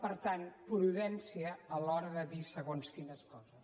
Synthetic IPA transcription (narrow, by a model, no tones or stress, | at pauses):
pəɾt̪anpɾuðɛnsiəːlɔɾəðəðisəɣonskinəskɔzəs